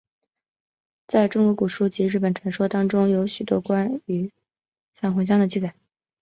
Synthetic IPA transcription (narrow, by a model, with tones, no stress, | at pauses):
t͡sa˥˩ɪʈ͡ʂʊ˥ŋkɔ˧˥ku˨˩ʂu˥˩t͡ɕi˧˥ɻ̩˥˩p̬ə˨˩nʈ͡ʂʰwa˨˩nʂwɔ˥t̪ɑ˥ŋʈ͡ʂʊ˥ŋjo˧˥ʊɕy˨˩t̪wɔ̰˥kwa˥ny˧˥ | ɕjɑ˥˩ŋxwʊ˧˥ɕ̬jɑ˥ŋd̪ə˨t͡ɕi˥˩t͡sa˨˩˦